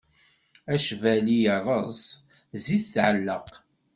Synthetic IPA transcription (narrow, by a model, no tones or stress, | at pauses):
æʃvælijəɾˤəzˤ | ziθθʕəlːəq